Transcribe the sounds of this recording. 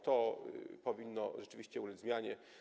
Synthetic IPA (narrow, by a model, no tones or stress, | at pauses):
t̪ɔpɔvʲinːɔʐɛt͡ʂɘvʲiɕt͡ɕɛulɛd̪zmʲjaɲɛ